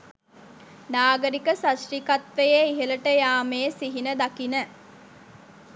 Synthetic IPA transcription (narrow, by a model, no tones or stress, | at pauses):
naːɡəɾikəsasrikat̪ʋejeiɦələʈəjaːmeːsiɦinəd̪akinə